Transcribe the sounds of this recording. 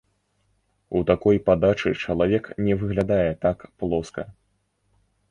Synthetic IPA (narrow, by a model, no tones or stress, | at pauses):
ut̪akɔjpad̪at͡ʂɨt͡ʂɐlˠavʲɛknʲɛvɨɣlʲad̪ajɛt̪akplˠɔskɐ̰